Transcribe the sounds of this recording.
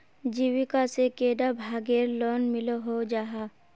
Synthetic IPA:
d͡ʒiwikasekeːɖabʱaːɡeɾlɔːnmɪloɦod͡ʒaːɦa

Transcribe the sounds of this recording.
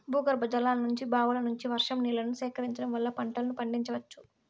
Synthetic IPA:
bʱuːɡɐɾbɐd͡ʒɐlaːlɐnuɲt͡ʃibaːʋulɐnuɲt͡ʃiʋɐɾʂɐmniːlɐnusɛːkɐɾiɲt͡ʃɐɽɐmʋɐlːɐpɐɳʈɐlɐnupɐɳɖiɲt͡ʃɐʋɐt͡ʃːu̥

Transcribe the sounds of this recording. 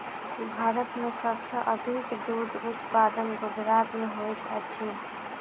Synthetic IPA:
bʱaɾət̪mesəbsə̃ʔəd̪ʱikd̪ud̪ut̪pad̪ənɡud͡ʒɾat̪meɦojt̪ət͡ʃʰi

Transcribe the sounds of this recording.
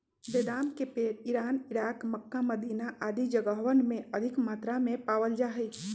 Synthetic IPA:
beːd̪aːmkepeːɾɪɾaːnɪɾaːkməkːaməd̪iːnaʔaːd̪id͡ʒəɡəɦʋənmẽəd̪ʱɪkmaːt̪ɾamẽpaːʋəld͡ʒaːɦɛ

